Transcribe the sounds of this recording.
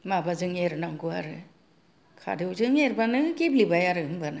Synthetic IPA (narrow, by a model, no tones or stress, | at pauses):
mabazɯŋeɾnaŋkua̰ɾɯ | kʰa̰dɯwzɯŋeɾbanɯkiblibajaɾɯɯmbanɯ